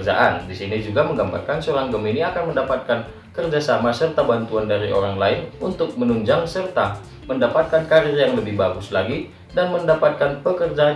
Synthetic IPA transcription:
d͡ʒa̰ʔandisinid͡ʒuɡaməŋɡamba̰rkansoɾaŋɡəminiakanməndapat̪̚kan | kərd͡ʒasamasərt̪abant̪uandaɾiʔo̰ɾaŋlaɪnunt̪ʊk̚mənuɲd͡ʒaŋsərt̪a | məndapat̪̚kankaɾɪrjaŋləbɪhbaɡʊslaɡi | danməndapat̪̚kanpəkərd͡ʒa

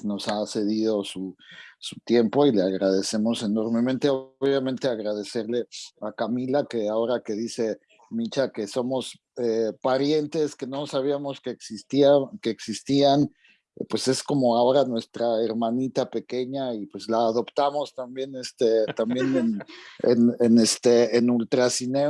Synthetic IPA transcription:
no̞sase̞ðiðo̞susut̪je̞mpo̞ile̞aɣɾað̞e̞se̞mo̞se̞no̞ɾme̞mẽnt̪e̞oβjamẽnt̪e̞aɣɾað̞e̞se̞ɾle̞akamilake̞ao̞ɾake̞ðise̞ | mint͡ʃake̞so̞mo̞s | epaɾje̞nt̪e̞ske̞no̞saβiamo̞skeːksist̪iake̞ːksist̪ian | pwe̞se̞sko̞mo̞ao̞ɾanwe̞st̪ɾaeɾmanit̪ape̞ke̞ɲaipwe̞zlaːðo̞pt̪amo̞st̪ambje̞nest̪et̪ambje̞nenḛnenest̪eːnult̪ɾasine

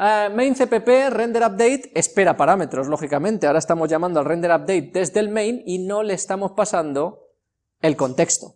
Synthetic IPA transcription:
mejnθepe̞pe̞re̞nd̪eɾap̚d̪e̞jt̪e̞spe̞ɾapaɾame̞t̪ɾo̞zlo̞xikamẽ̞nt̪eaoɾaest̪amo̞zʝamãnd̪oalrend̪e̞ɾap̚d̪e̞jt̪̚d̪e̞zðe̞lmẽjnino̞leːst̪amo̞spasand̪o̞ | e̞lko̞nt̪e̞kst̪o

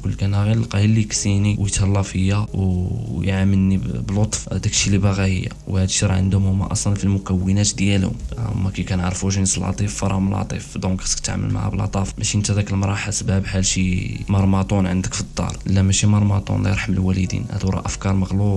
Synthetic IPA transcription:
kʊlːkænæɣillqæjilːijksiniwjət̪ɑlːɑfəjːawjʕaməlnibəlot̪ˤfd̪ækʃilibɑɣæhə̰jːæ̰whæd̪ʃɾˤɑʕənd̪hʊmhʊmːæ̰ʔɑsˤlɑnfilmʊkæwːənæt̪d̪jælhʊ̰m̰mːækæjkænʕɑɾˤfuʃənsəlʕɑ̰t̪ˤifːɑɾˤɑ̰hʊməlʕɑ̰t̪ˤḭfd̪okæskt̪aʕmə̰lma̰ʕa̰bəlʕɑ̰t̪ˤɑfmæʃiənt̪æd̪ækəlmɾˤɑħasbæbħælʃimɑɾˤmɑt̪ˤunʕənd̪əkfid̪ˤːɑ̰ɾˤʔəlːæmæʃimɑɾˤmɑt̪ˤṵnlḭjəɾˤħaməlwælid̪ḭnhæ̰d̪wɾˤɑ̰ʔəfkɑɾˤməɣlub

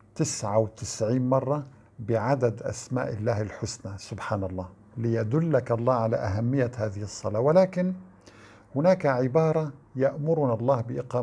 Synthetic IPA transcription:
t̪ɪsʕawɪt̪ɪsʕiːnmɑrˤːɑ | bɪʕad̪ad̪ʔa̰sma̰ːʔɪlːaːhɪlħʊsnasʊbħaːnɑlˤːɑː | lɪjad̪ʊlːakɑlˤːɑːʕalaʔaɦamːɪjːahaːðɪhsˤːɑlaːwɪlaːkɪn | hʊnaːkaʕɪbɑːɾˤɑjaʔmʊɾʊnalˤːɑːhbɪʔɪqɑː

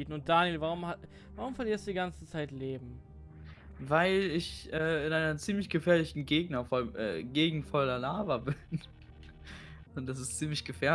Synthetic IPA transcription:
iːtn̩ʊnt̚d̥aːnjelvaʁʊmha | vaʁʊmfɛɐliːɐstd̥uːdiɡant͡sə̥t͡saɪtleːbm̩ | vaɪlɪçʔɛːɪnʔaɪnɐt͡siːmlɪçɡ̥əfɛːɐlɪçn̩ɡeːɡnɐfɔlmʔɛ̰ːɡeːɡŋ̩tfɔlalaːvɐbɪn | ʊnt̚d̥as̬ɪst͡siːmlɪçɡ̥əfɛːɐ

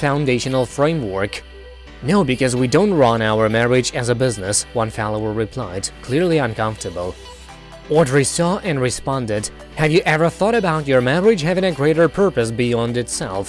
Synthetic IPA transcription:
fãʊ̃ndeɪʃɨn̩l̩ˠfɹẽɪ̃mwɜ˞k | noʊbɨkʌzwidõʊ̃nt̚ɹɑ̃naʊə˞mɛɹɪd͡ʒɨzəbɪznɨswʌ̃nfɛlˠoʊə˞ɹɨpʰl̥aɪd̚kʰl̥ɪɹlˠiʌ̃nkʰʌ̃ɱftə˞bl̩ˠ | wʌtɹisɔʔɨ̃nɹɨspɑ̃ndɨd̚ | hɨvjɨʔɛvə˞θɔɾɨbaʊt͡ʃə˞mɛɹɨd͡ʒ̥ɦævɪ̃ŋɨɡɹeɪɾə˞pʰɜ˞pɨs̬bijɑ̃ndɨtsɛ̰lˠf

